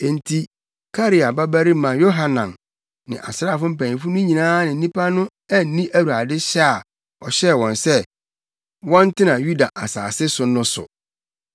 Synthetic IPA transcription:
n̩˨tʰi˨ | kʰa˦ɾi˨a˨ba˦bæ˦ɾi˦mã˨jo˦ɦa˨nã˨m | nɪ̰̃˨ʔa̰˨sɾaː˦˨fʊ̃˦m̩˦pæ̃˨nĩ˨fu˦nʊ̃˦ɲĩ˨nãː˦nɪ̃˨n̩˦nĩ˦pʰa˦nʊ̃˦ | ɛ˦n̩˦nĩ˦ʔæ˦wu˨a˨dɪ˦ɕɛ˦a˨ | ɔ˨ɕɛ˦˨wɔ̃˨nsɛ˦ | wɔ̃˦n˦tʰɪ̃˦nã˨ju˦da˨ʔa˨sa̰ː˨sɪ˦sʊ˨nʊ̃˦sʊ̰˨

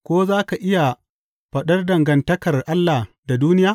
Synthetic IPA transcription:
kʷoː˦zaː˦ka˨ʔɪ˦ja˨ | ɸɐ˨ɗɐ˦rdɐ˨ŋɡɐ˨ntɐ˦kɐ˨rʔa˦lːa˨ | da˨duː˦nɪ˦jaː˦

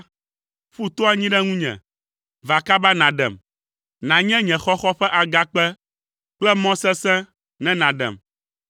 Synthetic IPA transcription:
ɸu˦t̪o˦a˦ɲĩ˦ɖɛ˦ŋũ˦ɲɛ̰̃˨ | va˨ka˦ba˦nã˨ɖɛ̰˨m | nã˨ɲɛ̃˦ɲɛ̃˨xɔ˦xɔ˦ɸɛ˦ʔa˨ɡa˦k͡pɛ˦ | k͡plɛ˦mɔ̃˦sɛ˦sɛ̃˦ | nɛ̃˦nã˨ɖɛ̰̃˨m

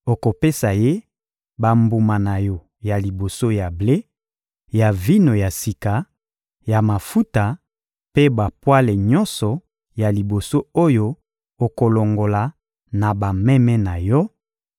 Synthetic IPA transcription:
o˨ko˨pe˦sa˨je˦ | ba˨mbu˨ma˨na˨jɔ˨ | ja˨li˨bo˨so˦ja˨ble˦ | ja˨vi˦no˨ja˨si˨ka˨ | ja˨ma˨fu˦ta˨ | pe˦ba˨pwa˦le˨ɲɔ˦nsɔ˨ | ja˨li˨bo˨so˦o˦jo˦ | o˨ko˨lo˨ŋɡo˨la˨ | na˨ba˨mɛ˦mɛ˦na˨jɔ˦

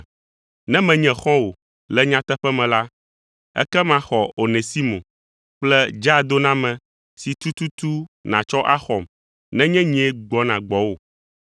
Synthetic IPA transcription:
nɛ̃˦mɛ̃˨ɲɛ̃˨xɔ̃˦wo˨ | lɛ˦ɲã˦t̪ɛ˦ɸɛ˦mɛ̃˨la˦ | ɛ̰˦kɛ˦mã˨xɔ˨o˨nẽ˨si˦mõ̰˨ | k͡plɛ˦d͡ʒa˦˨d̪o˦nã˦mɛ̃˨ | si˨t̪u˦t̪u˦t̪u˦nã̰˨t͡ʃɔ˦ʔa˦xɔ˨m | nɛ̃˦ɲɛ̃˦ɲ˦ɛ˦ɡ͡bɔ˦nã˨ɡ͡bɔ˨wo˨

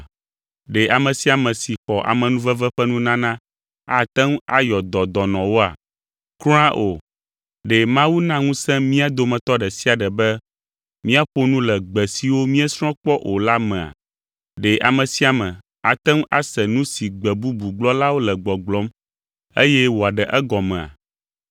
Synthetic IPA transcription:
ɖɛ˨ʔa˨mɛ̃˨si˦a˨mɛ̃˨si˨xɔ˨ʔa̰˨mɛ̃˨nũ˦vɛ˦vɛ˦ɸɛ˦nũ˦nã˦nã˦ | a˨t̪ɛ˦ŋ˦a̰˦jɔ˨d̪ɔ˨d̪ɔ˨nɔ̃˨wo˦a̰˨ | klũ˦ã˦ʔo˨ | ɖɛ˨mã˦wu˦nã˦ŋũ˦sɛ̃˦mĩ˦a˨d̪o˨mɛ̃˨t̪ɔ˦ɖɛ˨si˦a˨ɖɛ˨bɛ˦ | mĩ˦a˦ɸo˦nũ˦lɛ˨ɡ͡bɛ˨si˨wo˦mĩ˦ɛ˦sɾ̃ɔ̃˦k͡pɔ˦ʔo˨la˦mɛ̃˨a̰˨ | ɖe˨ʔa˨mɛ̃˨si˦a˨mɛ̃˨ | a˨t̪ɛ˦ŋ˦ʔa̰˦sɛ˨nũ˦si˨ɡ͡bɛ˨bu˦bu˨ɡ͡blɔ˦la˦wo˦lɛ˨ɡ͡bɔ˨ɡ͡blɔ˦m | e˦jɛ˦wo˨a˨ɖɛ˨ʔɛ˦ɡɔ˨mɛ̃˨a̰˨

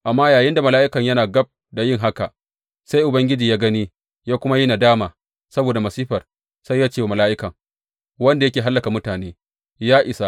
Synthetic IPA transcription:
ʔa˨mːaː˦jaː˨jɪ˦nda˨mɐ˨laː˦ʔɪ˦kɐ˨ɲjɐ˦naː˨ɡɐ˦b̚ | da˨jɪ˦ŋɦa˦ka˨ | sa˦jʔʊ˨bɐ˦ŋɡʲɪ˦d͡ʒiː˨jaː˦ɡɐ˦niː˦ | jaː˦kʷʊ˦ma˦ji˦na˨daː˦maː˨ | sɐ˦boː˨da˨mɐ˨siː˦ɸɐ˨r | sa˦jːaː˦t͡ʃeː˦˨mɐ˨laː˦ʔɪ˦kɐ˨ŋ | wɐ˦nda˨jɐ˦kʲeː˨ɦa˦lːɐ˨ka˨mʊ˦taː˨neː˦ | jaː˦ʔɪ˨sa˦

